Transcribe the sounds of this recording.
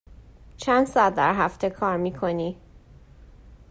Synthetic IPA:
t͡ʃʰænd̪̥sɒæd̪̚ːæ̰ɾɦæft̪ʰekʰɒːɾmiːkʰoniː

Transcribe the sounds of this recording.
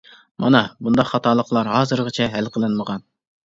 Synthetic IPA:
mɑ̰nɑbund̪ɑqχɑt̪ʰɑːlˠəqlˠɑɾɦɑːzɨɾʁɨt͡ʃʰɛɦælqʰəlˠɨnməʁɑn

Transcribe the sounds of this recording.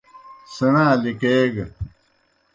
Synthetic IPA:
sɐnãːlikeːɡ

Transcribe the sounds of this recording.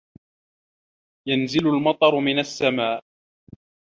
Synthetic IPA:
janzɪlʊlmɑt̪ˤɑɾˤmɪnasːamaːʔ

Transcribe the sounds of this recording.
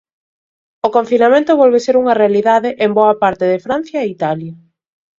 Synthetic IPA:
okoɱfinamẽnt̪ʊβɔlβeseɾuŋɐrealiðaðeʔemboɐpaɾt̪eðɪfɾan̟θjɐeit̪aljɐ

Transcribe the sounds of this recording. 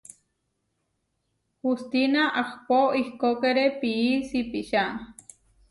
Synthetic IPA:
hust̪inaʔahpoihkokeɾepiisipiʃan

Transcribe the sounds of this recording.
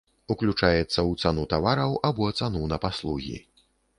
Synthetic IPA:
uklʲut͡ʂajɛt̪sːɐwt̪sanut̪avaɾɐwʔabuɐt̪sanunɐpaslˠuɣʲḭ

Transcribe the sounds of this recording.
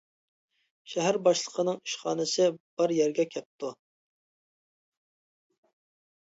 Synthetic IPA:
ʃɛɦæɾbɑʃlˠəqʰənɨŋiʃχɑ̰ːnɨsɨb̥ɑɾjɛɾɡʲɛkʲʰɛp̚t̪ʰu

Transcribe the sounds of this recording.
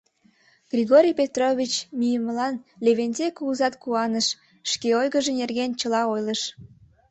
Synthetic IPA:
ɡrʲiɣoɾʲijpet̪roβʲit͡ɕmijəməlɑnleβenzekuːzɑt̪kuɑnəʃ | ʃkeojɣəʒenerɣent͡ɕəlɑojləʃ

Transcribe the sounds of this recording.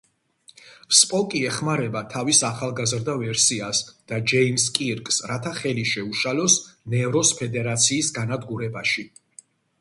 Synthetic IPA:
spʼɔkʼiɛχmaɾɛbat̪ʰavisaχalˠɡazɾd̪avɛɾsiasd̪̥ad͡ʒɛimskʼiɾkʼsɾat̪ʰaχɛliʃɛuʃalɔsnɛvɾɔspʰɛd̪ɛɾat̪sʰiːsɡanad̪ɡuɾɛbaʃi

